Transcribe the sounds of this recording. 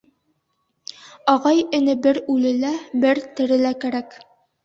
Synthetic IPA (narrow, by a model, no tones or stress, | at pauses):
ɑʁɑjɘ̆nɘbɘɾʉlɘ̆læbɘɾt̪ɘ̆ɾɘ̆lækæɾæk